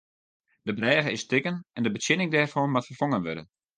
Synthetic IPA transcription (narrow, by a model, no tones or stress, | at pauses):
d̥əbrɛːɣəɪstɪkənɛndəbətjɪnɪŋdɛːrfɔmatfərfoŋənʋø̰dən